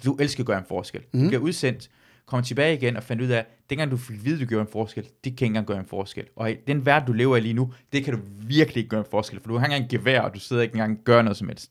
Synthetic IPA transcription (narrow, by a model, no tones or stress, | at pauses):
d̥uʔelsɡ̥æɡ̥ɶːɐe̝nfɒːsɡ̥el̰d̥ub̥liɐuð̞ˠsen̰d̥ | kʰɒ̽mt͡sʰe̝b̥ɛːɪiɡ̥enɒ̽fænd̥uð̞̰ˠæd̥en̰ɡ̥ɑ̈ŋd̥ufe̝ɡ̥ʋiːð̞ˠd̥uɡ̥joːɐenfɒːsɡ̥el̰d̥e̝kʰæe̝nɡɑ̈ŋɡ̥ɶæːɐenfɒːsɡ̥el̰ʔɒ̽d̥enʋæɐd̥d̥ule̝ːʊɐiliːnud̥e̝kʰæɾuʋiɐɡ̥lie̝ɡ̥̚ɡ̥ɶːɐenfɒːsɡ̥elfɒ̽d̥uenɡ̥ɑŋɡ̥e̝ʋeɐɒ̽d̥use̝ðˠɐeɡ̥eŋɡɑ̈ŋ̰ɡ̥ɶːɐnɔ̽ðˠsɒ̽mhel̰sd̥